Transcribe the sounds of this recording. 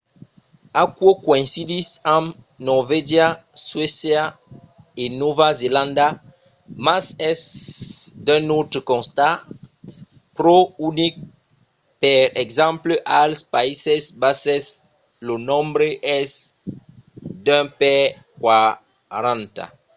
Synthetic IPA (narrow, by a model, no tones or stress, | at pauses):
akwokoĩnsid̪isãm | nɔʁved͡ʒjaswesja | enovazelãnd̪a | masɛs | d̪ɛ̃not̪ɾəkɔ̃nst̪at | pɾounik̚ | pɛɾɛɡzãmpləʔalspaisɛsbasɛs | lonɔ̃mbɾeʔɛs | d̪ɛ̃pɛ | kwa | ɾãnt̪a̰